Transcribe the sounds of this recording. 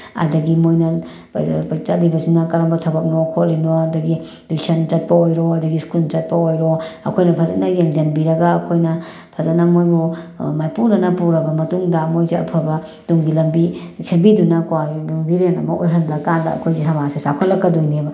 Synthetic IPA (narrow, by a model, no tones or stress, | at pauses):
ɐ̰dɐɡimojnɐ | t͡ʃɐt̚libɐsinɐkɐɾɐmbɐtʰɐbɐk̚nɔkʰot̚linoɐdɐɡi | bisɐnt͡ʃɐt̚pɐojɾoɐdɐɡiskunt͡ʃɐt̚pɐojɾoɐ̰kʰojnɐpʰɐzɐt̚nɐjeŋd͡ʒɐnbiɾɐɡaːkʰojnɐ | pʰɐzɐtnamojbɔmajpunɐnɐpuɾɐbɐmɐtuŋdɐmojzeɐ̰pʰɐbɐ | tuŋɡilɐmbisʰembidunɐkwajluŋbiɾenɐ̰mɐʔojɦɐndɐkandɐ̰ɐ̰kʰojzesamasesakʰɔlɐkːɐdojnibɐ